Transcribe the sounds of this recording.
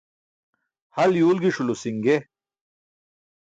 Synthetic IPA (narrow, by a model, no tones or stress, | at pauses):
hɐljuːlɡiʂulusiŋɡe